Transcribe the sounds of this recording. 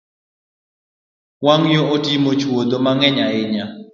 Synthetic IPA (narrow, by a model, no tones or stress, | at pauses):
waŋjootimot͡ʃwod̪omaŋɛɲaɪɲa